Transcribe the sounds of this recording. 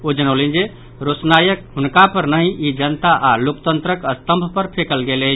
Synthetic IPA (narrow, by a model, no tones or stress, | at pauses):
od͡ʒənəlind͡ʒe | ɾot͡ʃnajəkɦunkapəɾnəɦĩʔid͡ʒənt̪aʔalokt̪ənt̪ɾəkəst̪əmbʱpəɾpʰekəlɡelɛ